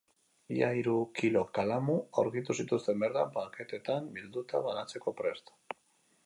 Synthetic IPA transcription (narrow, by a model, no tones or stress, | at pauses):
iaiɾukilo̞kalamua̰ɾɣit̪usit̪ust̪e̞mbe̞ɾðapake̞t̪e̞t̪ambild̪ut̪aβanat͡se̞ko̞pɾe̞st̪